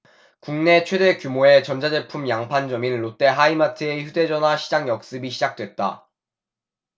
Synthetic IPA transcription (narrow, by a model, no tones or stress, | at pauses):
kuŋne̞t͡ɕʰwe̞de̞kjumoe̞t͡ɕʌnd͡ʑad͡ʑe̞pʰumjaŋpʰand͡ʑʌminɭot͈e̞ɦaimatʰɯeçude̞d͡ʑʌnɦaɕʰi̥d͡ʑaŋjʌk̚s͈ɯbiɕʰid͡ʑak̚t͈we̞t̚t͈a̰